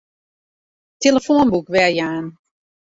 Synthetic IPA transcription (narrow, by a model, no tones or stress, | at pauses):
teləfoːnbukʋɛjaːn